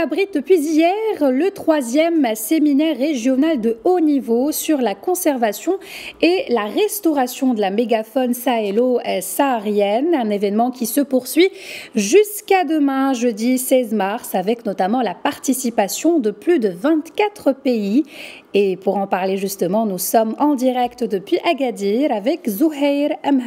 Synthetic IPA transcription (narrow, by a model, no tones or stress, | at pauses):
abʁit̪̚d̪əpɥizijɛʁlət̪χwazjɛmseminɛʁːeʒjɔnald̪əonivosyʁlakɔ̃sɛʁvasjɔ̃elaʁɛst̪ɔʁasjɔ̃d̪əlameɡafɔnsaelosaʁjɛnɛ̃nevɛnmɑ̃kʲisəpuʁsɥiʒyskad̪əmɛ̃ʒəd̪isɛzmaʁsavɛknɔt̪amɑ̃lapaʁt̪isipasjɔ̃d̪əplyd̪əvɛ̃t̪kat̪χəpei | epuʁɑ̃paʁleʒyst̪əmɑ̃nusɔmɑ̃d̪iʁɛkt̪d̪əpɥiʔaɡad̪iʁavɛkzuɦɛjʁam